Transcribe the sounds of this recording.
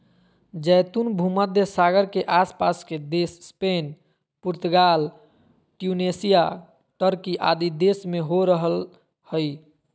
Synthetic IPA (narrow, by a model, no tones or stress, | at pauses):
d͡ʒəjt̪unbʱuməd̪ʱjəsaɡəɾkeʔaspasked̪esːpen | puɾt̪uɡal | ʈjunesija | ʈəɾkiʔa̰d̪id̪esmeɦoɾəɦəl | həj